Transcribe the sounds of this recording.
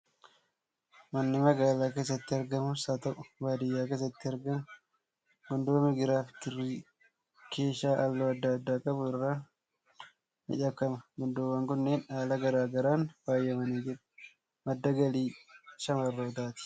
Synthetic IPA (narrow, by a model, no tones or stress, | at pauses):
mɐnːɪmɐɡaːlaːkeːs̬ːɐt̪ːɪɐɾɡɐmʊsaːt̪ɐʔʼʊbaːd̪ɪjːaːkeːs̬ɐt̪ːɪɐɾɡɐmʊ | ɡʊnd̪oːmɪɡɪɾaːfkɪrːiː | kʰe̞ːʃaːʔɐlːoːɐd̪ːɐːd̪ːaːkʼɐbʊɪrːaː | mɪ̰ᶑɐkːɐmɐɡʊnd̪oːwɐŋkʊnːeːnaːlɐɡɐɾaːɡɐɾaːnwaːjːɐmɐneːd͡ʒɪɾ | mɐd̪ːɐɡɐliːʃɐmɐrːoːt̪aːt̪ɪ̥